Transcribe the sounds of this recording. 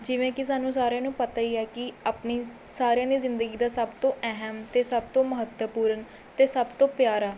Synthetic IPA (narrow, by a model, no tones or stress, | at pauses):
d͡ʒɪʋẽːkɪs̬aːnːũːsaːɾãːnũːpət̪aːiːɛːkɪaːpniː | saːɾɪjãːd̪iːzɪnd̪əɡiːd̪aːsəbt̪õːʔɛɦəmt̪eːsəbt̪õːməɦət̪wəpuːɾən | t̪eːsəbt̪õːpjaːɾaː